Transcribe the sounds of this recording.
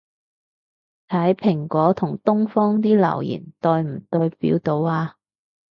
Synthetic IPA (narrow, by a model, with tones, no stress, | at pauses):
t̪ʰɐ˨˥jpʰɪ˨˩ŋkʷɔː˨˥t̪ʰʊ˨˩ŋt̪ʊ˥ŋfɔː˥ŋt̪iː˥lɐ̰˨˩wjḭː˨˩nt̪ɔː˧jm̩˨˩t̪ɵ˧jpḭː˨˥wt̪o˧waː˧